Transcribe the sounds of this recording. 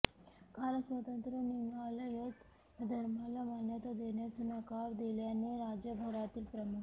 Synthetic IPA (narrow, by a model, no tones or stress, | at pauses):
kaːlɐsʋɐt̪ɐnt̪ɾɐnimaːlɐjot̪ | d̪ʱɐɾmalɐmaːnjɐt̪ɐd̪enesunakaːɾd̪eljanːeɾaːd͡ʒjɐbʱɐɾaːt̪ilpɾɐmuk